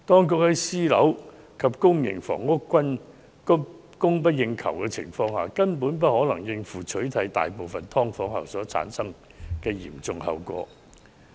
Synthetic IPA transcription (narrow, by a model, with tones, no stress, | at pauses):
t̪ɔː˥ŋk̬ʊ˧˥k̚hɐ˨˥jsiː˥lɐ̰˨˥w | kʰɐ˨p̚kʊ˥ŋjɪ̰˨˩ŋfɔ̰ː˨˩ŋːʊ˥kʷːwɐ˥n | kʊ˥ | kʊ˥ŋp̬ɐ˥t̚jɪ˧ŋkʰɐ̰˨˩wkɛ˧t͡sʰɪ̰˨˩ŋfɔː˧ŋhaː˨˩kɐ˥npuː˨˥np̬ɐ˥t̚hɔː˨˥lɐ˨˩ŋjɪ˧ŋfuː˨˩t͡ʃʰɵ˨˥ɥt̪ʰɐ˨˥jt̪a̰ː˨jpo˨wfɐ˨nt̪ʰɔː˥ŋfɔː˨˥ŋhɐ̰˨wsɔː˨˥t͡sʰa̰ː˨˥nsɐ˥ŋ | kɛː˧jḭː˨˩mt͡sʊ˨ŋhɐ̰˨˧wkʷɔ̰ː˧